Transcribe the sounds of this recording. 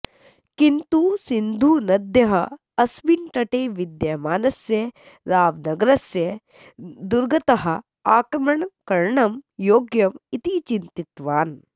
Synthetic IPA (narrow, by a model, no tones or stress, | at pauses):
kint̪uːsind̪ʱuːnɐd̪jɐɦɐ | ɐsbinʈɐʈeːʋid̪jɐmaːnɐsjɐ | ɾaːʋnɐɡɐɾɐsjɐ | d̪uɾɡɐt̪ɐɦɐ̆ | aːkɾɐmɐɳkɐɾɳɐmjoːɡjɐmit̪it͡ʃint̪it̪ʋaːn